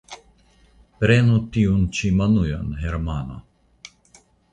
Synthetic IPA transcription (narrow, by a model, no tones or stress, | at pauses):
pɾenut̪iunt͡ʃimɐnuja̰nɦɛɾmaːna̰